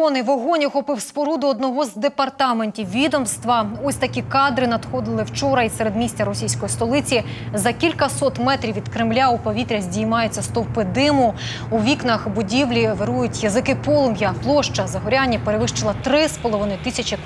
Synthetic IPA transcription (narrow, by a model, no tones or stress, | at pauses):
ɔnɪʋɔɦɔnʲixɔpɪwspɔɾud̪ʊɔd̪nɔɦɔzd̪epɐrt̪ɑmenʲtʲiwʋʲid̪ɔmst̪ʋɐɔsʲt̪ɐkʲikɑd̪ɾɪnɐd̪xɔd̪ɪlˠɪwt͡ʃɔɾɐisɛɾed̪mʲisʲtʲɐɾɔsʲijsʲkɔjist̪ɔlˠɪt͡sʲizɐkʲilʲkɐsɔt̪mɛt̪ɾʲiwʲʋʲid̪kɾemlʲaupɔʋʲit̪ɾʲɐzʲdʲijmɑjet͡sʲːɐst̪ɔwpɪd̪ɪmʊ | uʋʲiknɐxbʊdʲiwlʲiʋeɾujʊtʲjɐzɪkɪpɔlˠʊmjɐplˠɔʃt͡ʃɐzɐɦɔɾʲanʲːipeɾeʋɪʃt͡ʃelˠɐt̪ɾɪspɔlˠɔʋɪnɪt̪ɪsʲɐt͡ʃʲɪ